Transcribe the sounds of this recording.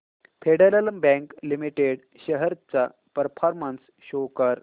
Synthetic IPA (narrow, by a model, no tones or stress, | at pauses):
fʰeɖəɾələmbɛ̃ŋklimiʈeɽ | ɕəɦəɾt͡sa | pəɾpʰɔɾməns | ɕokəɾ